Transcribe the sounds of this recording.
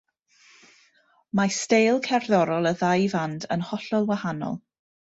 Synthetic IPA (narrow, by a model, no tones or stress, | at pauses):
mastejlˠkʰɛrðɔɾɔlˠəðajvandənhɔɬɔlˠwahanɔ̰lˠ